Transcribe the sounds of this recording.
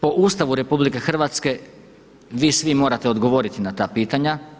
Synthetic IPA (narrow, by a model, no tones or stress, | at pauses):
po̞ʔuːst̪aʋuɾe̞publike̞xr̩ʋaːt̪ske̞ | ʋiːsʋimo̞ːɾat̪eo̞d̪ɡo̞ʋo̞ɾit̪inat̪aːpiːt̪aɲa